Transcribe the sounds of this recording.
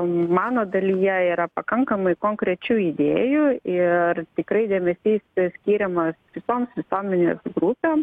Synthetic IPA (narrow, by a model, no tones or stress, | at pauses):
mɑːnoːd̪ɐlʲijɛiːɾɐpɐkɐŋkɐmɐɪkoːŋkɾʲɛt͡ʃʲuːɪd̪ʲeːjuɪrt̪ʲɪkɾɐɪd̪ʲeːmʲɛsʲiːssʲkʲiːɾʲɛmɐsʋʲɪsoːmsʋʲɪsoːmʲɛnʲḛːsɡɾupʲeːm